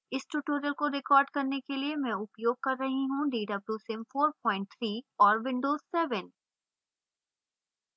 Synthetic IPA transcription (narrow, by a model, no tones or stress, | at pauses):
ɪsʈuːʈoːɾijəlkoɾɪkɔːɾɖkɐɾnekeliemɛ̃ʊpjoːɡ̚kɐɾːɐɦiɦũɖiːɖɐbɾusɪmfoːɾpɔːɪ̃ɳʈ̚t̪ʰɾiːɔːɾʋɪ̃ɳɖoːzsɛːʋən